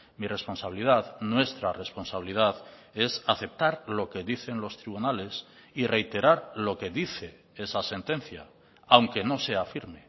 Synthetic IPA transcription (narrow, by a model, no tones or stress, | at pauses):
mire̞spo̞nsaβilið̞aðnwe̞st̪ɾare̞spo̞nsaβilið̞aðe̞saθe̞p̚t̪aɾlo̞ke̞ðiθe̞nlo̞st̪ɾiβunale̞sire̞jt̪e̞ɾaɾlo̞ke̞ðiθe̞ | esase̞nt̪e̞n̟θja | awŋke̞no̞se̞afiɾme̞